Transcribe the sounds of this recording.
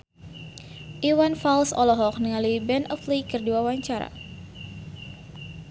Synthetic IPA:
ʔiwanfalsɔlɔɦɔk̚nəŋaluibɛnʔɔflikərduawaɲt͡ʃaɾa̰

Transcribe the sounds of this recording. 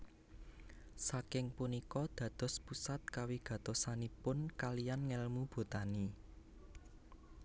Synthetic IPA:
sakɪŋpunikɔd̪̥ä̤d̪̥ɔ̤spusat̪̚kawiɡ̥ä̤t̪osanipʊnkalijanŋɛlmub̥o̤t̪ani

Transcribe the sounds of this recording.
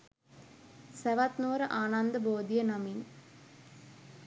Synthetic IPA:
sɛʋat̪noːɾɐʔaːnand̪ɐboːd̪ijɐnɐmin

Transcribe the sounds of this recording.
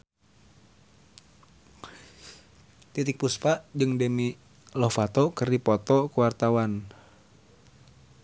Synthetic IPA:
t̪it̪ik̚puspaʔd͡ʒɨŋdemi | lɔfat̪ɔkərdipɔt̪ɔkuwart̪awan

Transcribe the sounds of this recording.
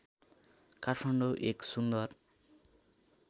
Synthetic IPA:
karʰpʰʌɳɖoʔeksund̪ʌr

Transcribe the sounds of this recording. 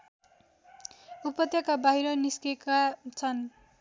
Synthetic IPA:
upʌt̪jʌkabaɦiɾʌniskekat͡sʰʌn

